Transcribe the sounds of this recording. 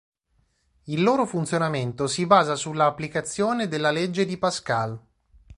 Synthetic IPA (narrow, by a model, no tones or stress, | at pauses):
ilːoːɾofunt̪sjonament̪osibaːzasulːaːpːlikat̪sːjoːned̪elːaled͡ʒːed̪ipaskal